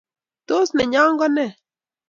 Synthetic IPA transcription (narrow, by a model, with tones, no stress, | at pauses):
to˦snɛ˨ɲa˦ŋɡɔ˦nɛ˦˨